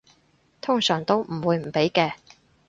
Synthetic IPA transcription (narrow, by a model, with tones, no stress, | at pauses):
t̪ʰʊ˥ŋsœː˨˩ŋt̪o˥wm̩˨˩wuː˨˧jm̩˨˩pe˨˥jkɛː˧